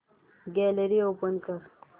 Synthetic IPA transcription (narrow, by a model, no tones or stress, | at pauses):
ɡɛːləɾioːpɐnkɐɾ